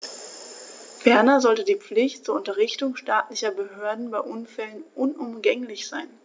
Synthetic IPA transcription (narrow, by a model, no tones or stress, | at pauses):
fɛɐnɐzɔltədiːp͡flɪçtt͡suːɐʊntɐʁɪçtʊŋʃtaːtlɪçɐbəhøːɐdn̩baɪʔʊnfɛlənʔʊnʔʊmɡɛŋlɪçz̥aɪn